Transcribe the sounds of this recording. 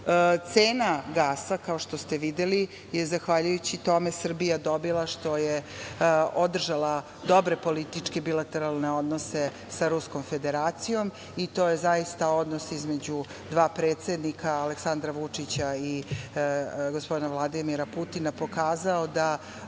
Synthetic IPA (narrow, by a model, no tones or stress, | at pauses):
t̪seːnaɡaːsakaoʃt̪ost̪eʋid̪eli | jezaxʋaʎujut͡ɕit̪o̞mesr̩bijad̪o̞bilˠaʃt̪o̞je | o̞d̪r̩ʒala | d̪o̞bɾe̞po̞lit̪it͡ʂkebilat̪eɾalˠne̞o̞d̪nose | saɾusko̞mfe̞d̪eɾaːt̪sijo̞m | it̪o̞ːjezaist̪ao̞d̪nosizme̞d͡ʑu | d̪ʋaːpɾeːt̪se̞d̪nikʰaːleksand̪ɾaʋut͡ʂit͡ɕai | ɡospod̪inavlˠad̪imiɾaput̪inapo̞kaːzaod̪a